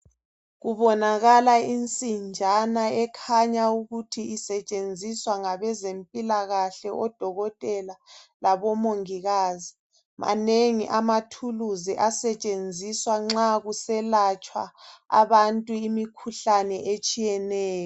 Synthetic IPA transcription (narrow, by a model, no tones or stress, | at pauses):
ɣuβɔnaɣalaint͡sʼind͡ʒʱanaɛkʰaɲauɣutʰiisɛt͡ʃʼend͡zʱiswaŋaβɛzempʼilaɣaɬɛʔɔd̥ʱɔɣɔtʼɛlalaβɔmoŋiɣaːzi | mʔa̰neŋiʔamatʰuluziʔasɛt͡ʃʼend͡zʱiswaŋ͡ǁaɣusɛlat͡ʃʼwa̰a̰βantʼuimikʰuɬanɛʔet͡ʃʼijɛnɛːjɔ